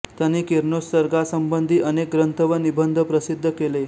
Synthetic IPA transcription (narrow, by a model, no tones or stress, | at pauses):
t̪janiːkiɾnosəɾɡasəmbənd̪ʱiːʔənek̚ɡɾənt̪əʋənibənd̪ʱəpɾəsid̪ʱːəkele